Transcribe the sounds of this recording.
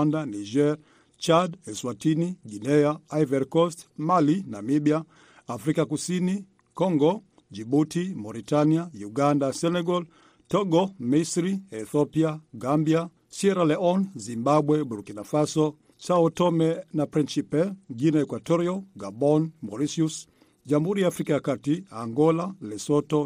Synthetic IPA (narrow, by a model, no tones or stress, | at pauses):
andaniʒɛɾ | t͡ʃadɛswatiniɡinɛaːivɛɾkɔstmalinamiɓiaː | fɾikakusini | kɔŋɡɔ | d͡ʒiɓutimɔɾitaniajuɡandasɛnɛɡɔl | tɔɡɔmisɾiɛθɔpiaɡambia | siɛɾalɛɔnzimbaɓwɛbuɾukinafasɔ | saɔtɔmɛnapɾinsipɛɡinaɛkwatɔɾiɔɡabɔnmɔɾisius | ʄam̩huɾijaːfɾikajakatiaŋɡɔlalɛsɔtɔ